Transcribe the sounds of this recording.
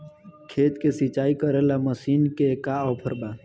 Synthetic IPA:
kʰeːt̪kesit͡ʃaːikəɾelaməsiːnkekaɔːpʰəɾbaː

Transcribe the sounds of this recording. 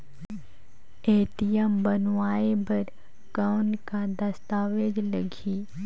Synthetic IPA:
eːt̪ijəmbənʋaːebʱəɾ | kankad̪ɐst̪aːʋed͡ʒləɡʱiː

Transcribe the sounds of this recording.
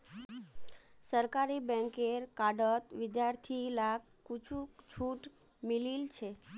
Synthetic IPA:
səɾkaɾibə̃ŋkeɾkaɖət̪ʋɪd̪jaɾt̪ʰilak | kːut͡ʃʰũt͡ʃʰuʈ | mililt͡ʃʰe

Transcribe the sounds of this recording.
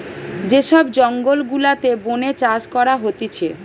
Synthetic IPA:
d͡ʑeʃɔbd͡ʑɔŋɡolɡulat̪ebonet͡ɕaʃkɔɾaɦot̪et͡ɕʰe

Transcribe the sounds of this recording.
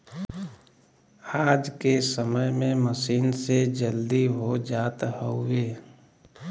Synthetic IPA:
aːd͡ʒkesəməjmẽməsiːnsed͡ʒəld̪iɦod͡ʒaːt̪hoeː

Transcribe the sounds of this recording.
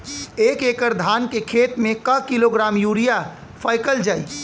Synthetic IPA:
eːkeːkəɾd̪ʱaːnkekʰeːt̪mẽkəkiloɡɾaːmjuːɾija | fʰaːjkəld͡ʒaːḭ

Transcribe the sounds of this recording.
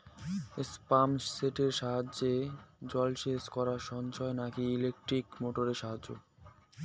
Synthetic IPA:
espamsːeʈeɾʃaɦad͡ʑːed͡ʑɔlʃeskɔɾaʃɔnt͡ɕɔenakiːlek̚ʈɾikmoʈoɾeɾʃaɦad͡ʑːo̰

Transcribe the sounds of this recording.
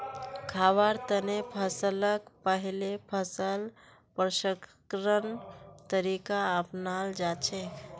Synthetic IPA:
kʰaʋəɾt̪ənepʰəsələkpəɦilepʰəsəl | pɾəʃəkkɾənt̪əɾikaəpnald͡ʒat͡ʃʰek

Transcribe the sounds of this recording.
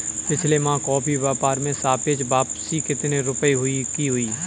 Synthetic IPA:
pɪt͡ʃʰlemãːkɔːpʰiʋɛːpaːɾmẽsaːpet͡ʃbaːpsikɪt̪neɾʊpəiɦʊikiːɦʊiː

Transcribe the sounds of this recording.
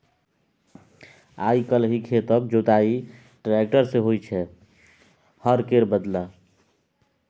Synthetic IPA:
ajkəlɦikʰet̪əb̚d͡ʒot̪ai | ʈɾek̚ʈəɾseɦojt͡ʃʰɛ | həɾkeɾbəd̪la

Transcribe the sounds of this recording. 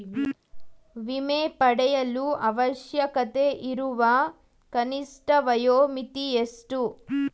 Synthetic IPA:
ʋimeːpɐɽɛjɐluʔɐʋɐʃjɐkɐt̪eːʔiɾuʋa | kɐnisʈɐʋɐjoːmit̪iesʈu

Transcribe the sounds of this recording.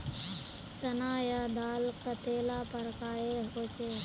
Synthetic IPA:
t͡ʃənaːjad̪aːlkt̪ət̪eːlapəɾkaːjeɦoːt͡ʃe

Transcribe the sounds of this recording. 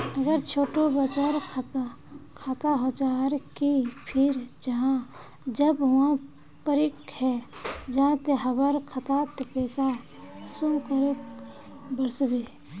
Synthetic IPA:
əɡəɾt͡ʃʰoːʈobət͡ʃaɾk̪ʰ | kʰat̪aɦot͡ʃaːɾkipʰɪɾd͡ʒəɦã | d͡ʒəbã | pəɾɪkhɛd͡ʒəɦãt̪eɦəbəɾkʰət̪at̪epeːsa | sumkəɾek | bəɾsbeː

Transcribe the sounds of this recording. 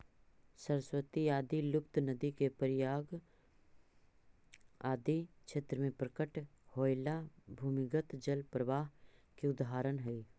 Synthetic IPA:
səɾəswət̪iaːd̪ilʊpt̪nəd̪ikepəɾɪjaːɡ | aːd̪it͡ʃʰeːt̪ɾəmẽpɾəkəʈhoːjlabʱuːmɪɡət̪d͡ʒəlpɾəʋaːɦkiʊd̪aːɾənɦɛiː

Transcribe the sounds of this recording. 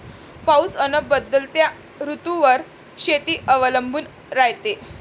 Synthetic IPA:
pausənəbəd̪ːəlt̪ja | ɾut̪uʋəɾ | ɕet̪iːʔəʋələmbʱuːn | ɾajt̪e

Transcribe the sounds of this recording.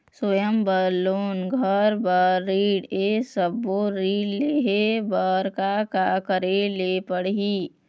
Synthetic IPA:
swojəmbəloːnɡʱəɾbəːiːɽesəbːoɾiːɖleɦebəɾkakakəɾelepəɽɦiː

